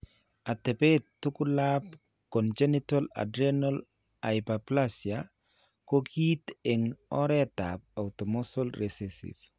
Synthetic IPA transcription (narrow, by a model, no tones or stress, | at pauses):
at̪epet̪ːukʊlap | kɔnd͡ʒenitala̰dɾanol | aɪpaplasja | koɡit̪eŋɔɾɛt̪ap̚aut̪ɔmɔsolɾesesḭv